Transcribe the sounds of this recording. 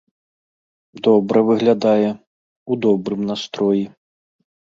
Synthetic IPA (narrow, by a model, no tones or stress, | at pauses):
d̪ɔbɾɐvɨɣlʲad̪ajɛ | ud̪ɔbɾɨmnast̪ɾɔji